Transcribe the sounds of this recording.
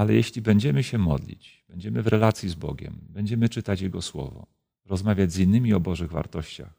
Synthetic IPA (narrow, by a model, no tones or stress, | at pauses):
alɛjeɕlʲibɛɲd͡ʑɛmɘɕɛmɔ̰d̪lʲḭt͡ɕb̥ɛɲd͡ʑɛmɘvɾɛlat̪sʲjizbɔ̰ɡʲɛ̰mbɛɲd͡ʑɛmɘt͡ʂɘt̪at͡ɕjɛɡɔswɔ̰vɔ̰ | ɾɔzmavʲjad͡ʑzinːɘmʲiɔbɔʐɘɣva̰ɾt̪ɔɕt͡ɕa̰x